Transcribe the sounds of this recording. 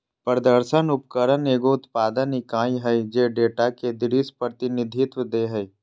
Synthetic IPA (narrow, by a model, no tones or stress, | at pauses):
pɾəd̪əɾʃənʊpkəɾəneːɡoʊt̪paːd̪ənikãːĩɦəid͡ʒeːɖeːʈaked̪ɪɾispɾət̪ɪnɪd̪ʱɪt̪wəd̪eɦɛi